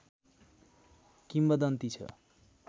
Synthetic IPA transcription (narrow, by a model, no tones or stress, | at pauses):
kimbʌd̪ʌnt̪it͡sʰʌ̰